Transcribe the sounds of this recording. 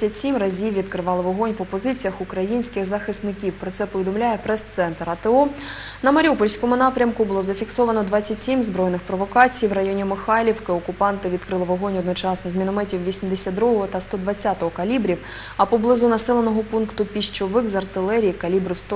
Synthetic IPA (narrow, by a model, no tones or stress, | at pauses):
ɐtʲsʲimrɐzʲiwːʲid̪kɾɪʋɑlˠɪʋɔɦɔnʲpɔpɔzɪt͡sʲijɐxʊkɾɐjinʲsʲkɪxzɐxɪsnɪkʲiwpɾɔt̪sɛpɔʋʲid̪ɔmlʲajɛpɾɛst̪sɛnt̪ɾɐt̪ɪɔ | nɐmɐɾʲiupɔlʲsʲkɔmʊnɑpɾʲɐmkʊbʊlˠɔzɐfʲiksɔʋɐnɔd̪ʋɑt͡sʲːɐtʲsʲimzbɾɔjnɪxpɾɔʋɔkɑt͡sʲijwrɐjɔnʲimɪxɑlʲiwkɪɔkʊpɑnt̪ɪʋʲid̪̚kɾɪlˠɪʋɔɦɔnʲɔd̪nɔt͡ʃɑsnɔzmʲinɔmɛtʲiwʋʲisʲimd̪esʲad̪d̪ɾuɦɔɦɔt̪ɐst̪ɔd̪ʋɐt͡sʲːat̪ɔɦɔkɐlʲibɾʲiw | ɐpɔblˠɪzʊnɐsɛlˠenɔɦɔpunkt̪ʊpʲiʃt͡ʃɔʋɪxzɐrt̪ɪlˠɛɾʲijkɐlʲibɾʊst̪